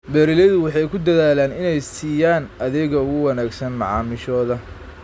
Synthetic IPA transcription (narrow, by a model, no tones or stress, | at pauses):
bɛːɾɪlɛðʊwɑħɑjkʰʊd̪ɐðaːlaːnɪnɛjsiːjaːnɐðɪɣɐʊɣʊwɐnaːɡsɐnmɑʕɑ̰ːmɪʃɔːðɐ